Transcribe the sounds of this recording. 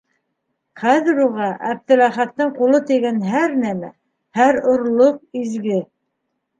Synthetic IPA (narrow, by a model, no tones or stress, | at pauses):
χæðɘɾuʁɑʔæb̚ðɘ̆læχæt̪ːɤɴqulˠɤt̪iɡænɦæɾnæmæ̰ | hæɾŏɾlˠoq̚izɡɘ